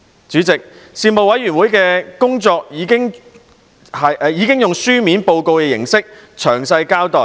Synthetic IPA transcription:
t͡ʃyː˨˥t͡sɪ˨k̚ | siː˧nmo˨wɐ˨˥jɥyː˨˩nwuː˨˥jkɛː˧kʊ˥ŋt͡sɔː˧k̚jiː˨˧kɪ˥ŋ | hɐ˨˧jiː˨˧kɪ˥ŋjʊ˨ŋsyː˥miː˨˥npo˧wko˧wkɛ˧jɪ˨˩ŋsɪ˥k̚t͡ʃʰœː˨˩ŋsɐ˧jkaː˥wt̪ɔː˨˩j

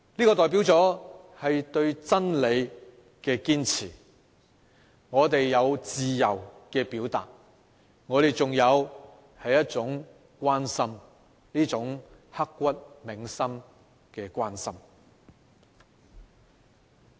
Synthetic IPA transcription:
liː˥kɔː˧t̪ɔː˨˩jp̬i˨˥wt͡sɔː˨˥ | hɐ˨jt̪ɵ˧ɥt͡sɐ˥nle˨˧j | kɛː˧kiː˥nt͡sʰḭː˨˩ | ŋɔː˨˧t̪e˨jːɐ˨˧wt͡siː˨jɐ˨˩wkɛː˧piː˨˥wt̪a̰ː˨t̚ | ŋɔː˨˧ɾe˨jt͡sʊ˨ŋjɐ˨˧w | hɐ˨jːɐ˥t̚t͡sʊ˨˥ŋ | kʷaː˥nsɐ˥m | liː˥t͡sʊ˨˥ŋhɐ˥kːʷɐ˥t̚mɪ˨ŋsɐ˥m | kɛː˧kʷaː˥nsɐ˥m

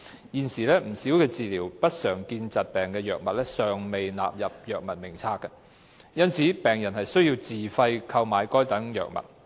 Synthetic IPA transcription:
jiː˨nsiː˨˩lɛː˥m̩˨˩siː˨˥wkɛː˧t͡siː˨liː˨˩wpɐ˥t̚sœː˨˩ŋkiː˧nt͡sɐ˨t̚pɛː˨ŋkɛː˧jœː˨k̚mɐ˨t̚lɛː˥sœː˨ŋme˨jna̰ː˨p̚jɐ˨p̚jœː˨k̚mɐ˨˩t̚mɪ˨˩ŋt͡sʰaː˧˥kːɐ˧ | jɐ˥nt͡sʰiː˨˥pɛː˨ŋjɐ˨˩nhɐ˨jsɵ˥ɥjiː˧wt͡siː˨˩fɐ˧jkʰɐ˧wmaː˨˧jkɔː˥jt̪ɐ˨˥ŋjœ̰ː˨k̚mɐ̰˨˩t̚

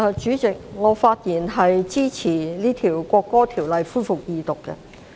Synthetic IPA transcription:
ɐ˨t͡ʃyː˨˥t͡sɪ˨k̚ŋɔː˨˧˥faː˧t̚jiː˨˩nɦɐ˨jt͡siː˥t͡sʰiː˨˩liː˥t̪ʰiː˨˩wkʷɔː˧kːɔː˥t̪ʰiː˨˩wlɐ˨jfuː˥jfʊ˨k̚jiː˧t̪ʊ˨kːɛ̰˧

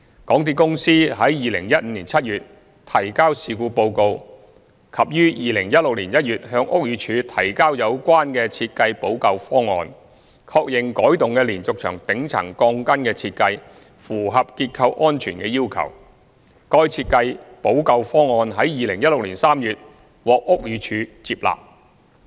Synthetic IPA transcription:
kɔː˨˥ŋt̪̬iː˧kʊ˥ŋsiː˥ɦɐ˨˥jːiː˨˧lɪ˨˩ŋjɐ˥t̚m̩˧liː˨˩nt͡sʰɐ˥t̚jyː˨t̚ | t̪ʰɐ˨˩jkaː˥wsiː˧kuː˧po˧wko˧w | kʰɐ˨p̚jyː˥jiː˨˧lɪ˨˩ŋjɐ˥t̚lʊ˨k̚liː˨˩njɐ˥t̚jyː˨t̚ɦœː˧ŋʔʊ˥k̚jyː˨˧t͡ʃʰyː˨˧t̪ʰɐ˨˩jkaː˥wjɐ˨˧wkʷwaː˥nkɛː˧t͡sʰiː˧t̚kɐ˧jpo˨˥wkɐ˧wfɔː˥ŋɔ̰ː˧n | kʰɔː˧k̚jɪ˨˩ŋkɔː˨˥jt̪ʊ˨ŋkɛː˧liː˨˩nt͡sʊ˨k̚t͡ʃʰœ̰ː˨˩ŋt̪ɪ˨˥ŋt͡sʰɐ̰˨˩ŋkɔː˧ŋkɐ˥nkɛː˧t͡sʰiː˧t̚kɐ˧j | fuː˨˩ɦɐ˨p̚kiː˧t̚kʰɐ˧wʔɔː˥nt͡ʃʰyː˨˩nkɛː˧jiː˥wkʰɐ̰˨˩w | kɔː˧jt͡sʰiː˧t̚kɐ˧jpo˨˥wkɐ˧wfɔː˥ŋɔː˨˧nɦɐ˨˥jjiː˨lɪ˨˩ŋjɐ˥t̚lʊ˨k̚liː˨˩nsaː˥mjyː˨t̚ | wɔː˨k̚ʔʊ˥k̚jyː˨˧˥t͡ʃʰyː˨˧t͡siː˧p̚la̰ː˨p̚

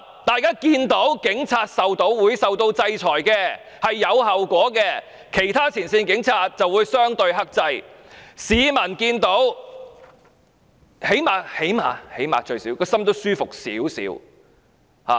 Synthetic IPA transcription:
t̪aː˨jkaː˥kiː˧nt̪o˨˥wkɪ˨˥ŋt͡sʰaː˧t̚sɐ˨wt̪o˨˥wːuː˨˧jsɐ˨wt̪o˧wt͡sɐ˧jt͡sʰɔː˨˩jkɛː˧ | hɐ˨jːɐ˨˧whɐ˨wkʷɔː˨˥kɛː˧ | kʰe˨˩jt̪ʰaː˥t͡sʰiː˨˩nsiː˧nkɪ˨˥ŋt͡sʰaː˧t̚t͡sɐ˨wːuː˨˧jsœː˥ŋt̪ɵ˧ɥɦɐ˥k̚t͡sɐ˧jsiː˨˧mɐ˨˩nkiː˧nt̪o˨˥w | he˨˥jmaː˨he˨˥jmaː˨˩he˨˥jma̰ː˨t͡ʃɵ˧ɥsiː˨˥wkɔː˧sɐ˥mt̪o˥wsyː˥fʊ˨k̚sḭː˨˥wsḭː˨˥w | ha̰ː˨

